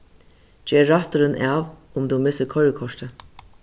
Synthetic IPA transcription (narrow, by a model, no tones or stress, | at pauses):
d͡ʒɛːɾːaht̪ʊɾɪnʔaːv | ʊmd̪umɪsəkʰɔɾəkʰɔʂt̪ə